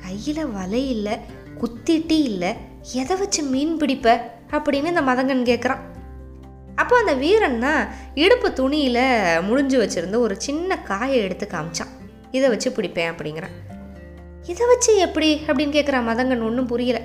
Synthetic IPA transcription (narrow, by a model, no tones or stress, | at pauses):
kɐjːɪlɐʋɐlɐjɪlːɐ | kʊt̪ːɪʈːijɪlːɐ | ɛðɛʋɐt͡ʃːɯmiːnpɪɽɪpːe | ɐpːɐɽɪnːɯɪnd̪ɐmɐðɐŋɡɐnːɯkeːkːɐɾãː | ɐpːoːɐnd̪ɐʋiːɾɐnnaː | ɪɽɯpːɯt̪ʊɳɪjɪlɐmʊɽʊɲd͡ʒɯʋɐt͡ʃːɪɾɯnd̪ɯɔɾɯt͡ʃɪnːɐkaːjɐɛɽɯt̪ːɯkːɐmɪt͡ʃːã̰ː | ɪðɛʋɐt͡ʃːɯpɪɽɪpːẽːɐpːɐɽɪŋɡɪɾã̰ː | ɪðɛʋɐt͡ʃːɯɛpːɐɽiɐpːɐɽɪnːɯkeːkːɐɾãːmɐðɐŋɡɐɳɔɳːɯpʊɾɪjɐlɐ